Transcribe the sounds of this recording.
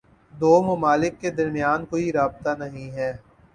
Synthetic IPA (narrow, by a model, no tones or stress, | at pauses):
d̪oːmɐmaːlɪkːed̪ɐɾmijaːnkoːiɾaːb̚t̪anɐɦĩɦɛː